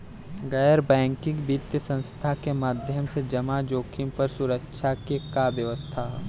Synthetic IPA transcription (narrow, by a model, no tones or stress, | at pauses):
ɡɐjəɾbɛ̃ːŋkɪ̃ŋɡbit̪jəsə̃nst̪ʰakemaːd̪ʱjəmsed͡ʒɐmad͡ʒoːkʰɪ̃mpəɾsʊɾəkʃʰakekabjəʋəst̪ʰa